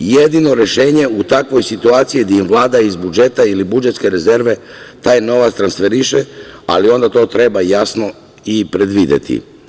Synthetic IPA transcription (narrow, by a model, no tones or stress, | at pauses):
jed̪ino̞ɾe̞ʃe̞ːɲe̞ut̪akʋo̞jsit̪uaːt̪sijid̪aimʋlˠaːd̪aizbud͡ʒe̞t̪ailibud͡ʒe̞t̪ske̞ɾe̞ze̞ɾʋe̞t̪aːjno̞ʋast̪ɾansfeɾiʃea̰lio̞nd̪at̪o̞ːt̪ɾe̞bajasno̞ | ipɾe̞d̪ʋid̪ḛt̪ʰḭ